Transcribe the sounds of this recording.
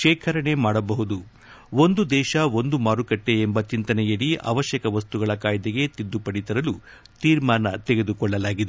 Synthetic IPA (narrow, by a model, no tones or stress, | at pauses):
ʃɛːkʰɐɾɐɳe̞maːɽɐbɐɦud̪u | ond̪ud̪ɛːʃɐo̞nd̪umaːɾukɐʈːe̞embɐt͡ʃint̪ɐnɛjɐɽiʔɐ̰ʋɐʃjɐkɐʋɐst̪uɡɐɭɐkaːjd̪eɡe̞t̪id̪ːupɐɽit̪ɐɾɐlu | t̪iːɾmaːnɐt̪eɡe̞d̪ukɔɭːɐlaːɡid̪e